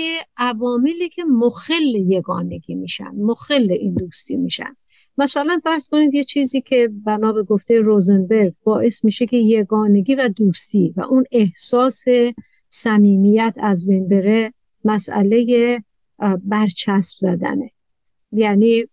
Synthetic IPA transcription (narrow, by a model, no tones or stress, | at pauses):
eʔævɒːmeliːcʰe̞moxelːeje̞ɡɒːne̞ɡiːmiːʃæ̰nd̪moxelːeʔiːnd̪uːst̪ḭːmiːʃæ̰nd̪̥ | mæsælænfæɾz̥ko̞niːd̪jet͡ʃʰiːziːcʰe̞bænɒːbe̞ɡoft̪ʰejeɾozenbe̞ɾɡ̚bɒːʔe̞smiːʃe̞kʲʰe̞je̞ɡɒːne̞ɡiːvæd̪uːst̪iːvæ̰ʔuːne̞hsɒːse̞ | sæmiːmijæt̪ʰæzbe̞jnbe̞ɾe̞ | mæsæ̰le̞je | bæɾt͡ʃʰæsb̥zæd̪æ̰ne | jæniː